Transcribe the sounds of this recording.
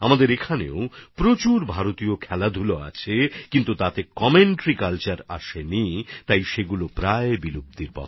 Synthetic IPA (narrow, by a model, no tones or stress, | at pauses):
amad̪eɾekʰanḛopɾot͡ɕuɾbʱaɾot̪iokʰɛlad̪ʱuloa̰t͡ɕʰekint̪ut̪at̪ekɔmeɳʈɾikalt͡ɕaɾa̰ʃenit̪ajʃeɡulopɾaebilub̚t̪iɾpɔ̰t̪ʰ